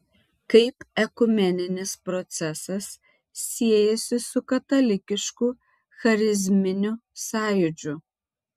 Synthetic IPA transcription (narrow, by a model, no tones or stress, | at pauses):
kɐɪpɛkʊmʲɛnʲɪnʲɪspɾɔt̪sʲɛsɐsːʲ | iɛjɛsʲɪsʊkɐt̪ɐlʲɪkʲɪʃku | xɐɾʲɪzʲmʲɪnʲʊsɑːjʊd͡ʒʲʊ